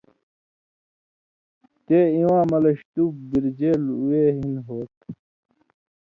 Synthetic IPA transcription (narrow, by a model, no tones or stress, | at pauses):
t̪eːĩwãːmɐlɐɕt̪uːk̚biɾd͡ʑeːluweɦinɦoːt̪̚